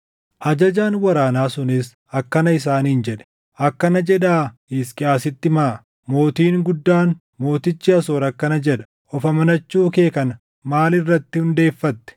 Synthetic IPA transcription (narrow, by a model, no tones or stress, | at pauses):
ʔɐd͡ʒɐd͡ʒaːnwɐɾaːnaːsʊnɪs | ɐkːɐnɐɪs̬aːniːnd͡ʒɛᶑɛ̥ | ʔɐkːɐnɐd͡ʒɛᶑaːɪskʼɪaːsɪt̪ːɪmaː | mo̞ːt̪iːŋɡʊd̪ːaːn | mo̞ːt̪ɪt͡ʃːɪɐso̞ːɾɐkːɐnɐd͡ʒɛᶑɐ̥ | ʔɔfɐmɐnɐt͡ʃːuːɔke̞ːkɐnɐ | maːlɪrːɐt̪ːɪhʊnd̪e̞ːfːɐt̪ːɛ̥